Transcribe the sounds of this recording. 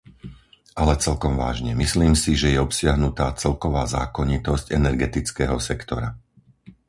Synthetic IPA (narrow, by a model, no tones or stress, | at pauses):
ʔalɛt͡sɛlkɔmʋa̰ːʒɲɛmisliːmsiʒɛjɛɔpsɪaɦnut̪aːt͡sɛlkɔʋaːza̰ːkɔɲit̪ɔscɛnɛɾɡɛt̪it͡skɛːɦɔ̰sɛkt̪ɔɾa